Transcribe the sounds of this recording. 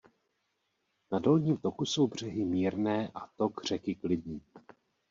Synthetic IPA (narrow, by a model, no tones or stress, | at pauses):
nado̞lɲiːmt̪o̞kuso̞wbr̝ɛɦɪmiːɾnɛːʔat̪o̞ɡr̝ɛkɪklɪdɲiː